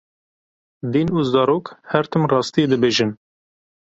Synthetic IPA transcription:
d̪iːnuzɑːɾoːkhɛɾt̪ʰɨmrɑːst̪ied̪ɨbeːʒɨn

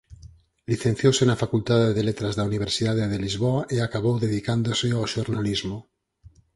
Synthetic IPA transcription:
liθen̟θjosenafakult̪aðeðelet̪ɾazðauniβ̞eɾsiðaðeðelizβoaʔeakaβowðeðikand̪oseawʃoɾnalizmo

